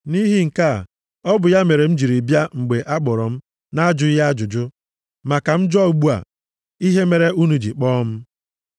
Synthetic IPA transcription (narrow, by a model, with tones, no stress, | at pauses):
ni˦ɦi˦ŋ̩˨ka˦˨ | ɔ˦bʊ˨ja˦me˨ɾe˨m̩˦d͡ʒi˨ɾi˨bja˦ŋ͡m̩˨ɡ͡be˨ʔa˦k͡pɔ˨ɾɔ˨m̩˦ | na˦d͡ʒʊ˨˦ja˦d͡ʒʊ˨d͡ʒʊ˦ | ma˨ka˨m̩˦d͡ʒɔ˦˨ɡ͡bu˦a̰˨ | i˦ɦe˦me˨ɾe˦u˦nu˨d͡ʒi˨k͡pɔː˦m̩˦